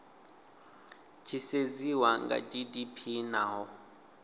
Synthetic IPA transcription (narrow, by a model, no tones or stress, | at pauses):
t͡ʃʰiseziwaŋɡa̰d͡ʒidipʰinaɦɔ